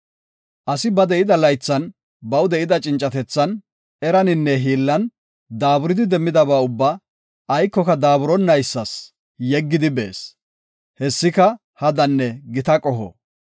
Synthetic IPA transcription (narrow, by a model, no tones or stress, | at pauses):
ʔɐsɪbɐd̪ɛʔɪd̪ɐlɐjt͡sːɐn | bɐwd̪ɛʔɪd̪ɐt͡ʃʼɪnt͡ʃʼɐt̪ɛt͡sːɐn | ɛɾɐnɪnːɛɦiːlːɐn | d̪aːbʊɾɪd̪ɪd̪ɛmːɪd̪ɐβaːʊbːɐ | ɐjkːɔkɐd̪aːbʊɾɔnːɐjsːɐs | jɛɡːɪd̪ɪbḛːs | hɛsːɪkɐ | hɐd̪ɐnːɛɡɪt̪ɐkʼɔɦɔ̰